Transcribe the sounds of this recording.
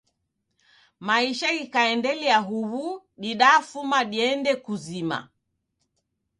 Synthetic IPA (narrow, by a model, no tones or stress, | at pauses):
maiʃaɡikaɛndɛliaɦuβu | ɗiɗaːfumaɗiɛndɛkuzima̰